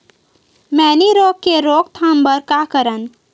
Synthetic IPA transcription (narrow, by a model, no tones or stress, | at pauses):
mɛːniɾoːkkeɾoːk̚t̪ʰãːmbəɾkakəɾən